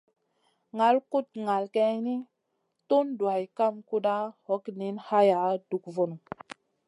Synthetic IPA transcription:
ŋa˨˦lku˦t̚ŋa˨lke˦ni˦ | tu˦ndwa˨jka˦mku˦ɗa˦ho˨˦kni˨˦nha˦ja˨˦du˨kvo˨nu˨

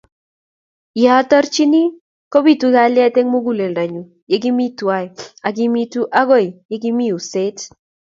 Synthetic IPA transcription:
ja˨˦tɔ˦ɾt͡ʃi˦ni˦ | ko˦bi˦˨tu˦ɡa˦˨˦lɪ˦a˦te˦ŋmo˦ɡu˦le˨nɾa˨ɲu˨ | je˦ɡi˦mi˦twa˦ja˨ɡi˦mi˦tu˦ʔa˦ɡo˦˨jje˦ɡi˦mi˦u˨se˦t

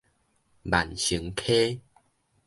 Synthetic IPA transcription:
ba̰˨˩nɕɨ˨˦ŋkʰe˦

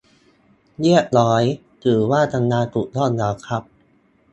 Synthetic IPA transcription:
ji˥˩ət̪̚lɔː˦˥j | t̪ʰɯː˨˩˦waː˥˩t̪ʰa˧ŋnaː˧t̪u˨˩ʔ̚lɔː˥˩nla˧˩wkʰɾa˦˥p̚

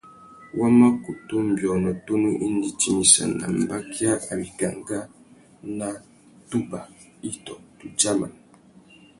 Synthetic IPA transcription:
wʔa˦ma˦ku˨tu˦m̩˨bjɔ˨nɔ˨to˦nu˦ʔi˦n˦di˦ti˦ni˨sa̰˨na̰˨m˨ba˦kja˦a˨bi˨ɡa˨ŋɡa˦ | na˦ | tu˦ba˨ | i˦tɔ˨tu˨d͡ʒa˦ma̰˨n

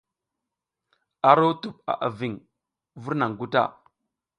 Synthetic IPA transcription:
a˨ɾo˦tu˨p̚a̰˨ʔa˨vi˨ŋ | vu˦ɾna˨ŋ˨ɡu˦ta̰˦˨

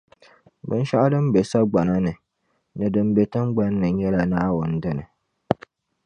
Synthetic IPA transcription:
bɨ̰˦n˦ʃa˦ʔa˦dɨ˦m˦be˨sa˦ɡ͡ba˨na˦nɨ˨ | nɨ˨dɨ˨m˦be˨tɨ˦mɡ͡ba˦nː˦ɨ˨˦ɲɛ˦la˨naː˦wʊ˦n̩˦dɨ˦nɨ˨

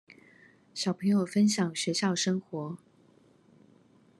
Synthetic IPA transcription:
ɕjɑ˨˩ʊpʰɤ˧˥ŋjo˨˩ʊfə˥nɕjɑ˨˩ŋɕɥɛ˧˥ɕjɑ˥˩ʊʂɤ˥ŋxwɔ˧˥

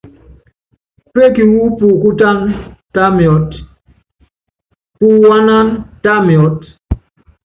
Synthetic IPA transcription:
pe˦ki˨wu˦pu˨ku˦ta˦nta˦mjɔ˨˦t | pu˨wa˦na˦nta˦mjɔ˨˦t̚

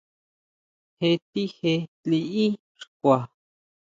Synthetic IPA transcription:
he˧t̪i˦he˧t͡ɬi˧ʔi˦ | ʂkʷa˨

